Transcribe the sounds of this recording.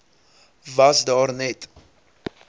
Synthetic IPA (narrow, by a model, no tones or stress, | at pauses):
vɐsdɑːrnɛt